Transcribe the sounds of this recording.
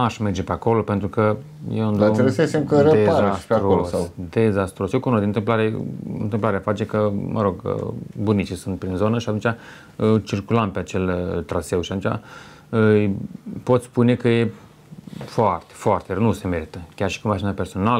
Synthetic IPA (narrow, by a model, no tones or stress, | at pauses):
aʃme̞rd͡ʒe̞peako̞lo̞pe̞nt̪ɾukə | jeund̪ɾebujsəesemkəɾəeazaspeaɾooosad̪ezast̪ɾosjekunod̪int̪ɨmp̬laɾeɨ̰nt̪ɨmplaɾeafat͡ʃekəmʔə̰ɾo̞ɡ̰bunit͡ʃisunt̪̚pɾinzo̞nəʃiat̪unt͡ʃʲa | t͡ʃirkulampeat͡ʃe̞lt̪ɾase̞wʃiat̪unt͡ʃʲa̰ | ə | po̞t̪sʲspune̞kəje̞ | foart̪e̥foart̪eɾənuse̞me̞ɾit̪əkʲarʃi̥kumaʃinape̞rso̞nalə